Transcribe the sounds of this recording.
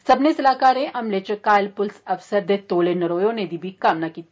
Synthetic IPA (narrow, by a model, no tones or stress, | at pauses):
sɐbnesɐlaːkaːɾẽʔɐmlet͡ʃɐkaːlpʊlsɐfsəɾd̪et̪oːlenɐɾoːjõned̪ibʱikaːmnakiːt̪i